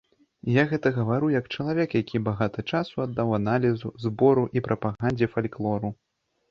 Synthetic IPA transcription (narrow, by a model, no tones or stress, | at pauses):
jaɣɛt̪ɐɣɐvaɾujɐkt͡ʂɐlˠavʲɛkjakʲibaɣat̪ɐt͡ʂasuad̪ːawanalʲizuzbɔɾuʔipɾʔɐpaɣanʲd͡zʲɛfalʲklˠɔɾu